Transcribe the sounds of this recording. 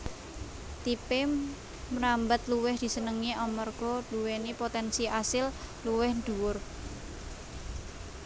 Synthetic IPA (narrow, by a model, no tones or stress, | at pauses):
t̪ipe | mɾambət̪luwɪhd̪̥i̤sənəŋiʔɔmɔrɡ̥ɔ̤d̪̥uwenipot̪ɛnsiasɪlluwɪhnd̪uwʊr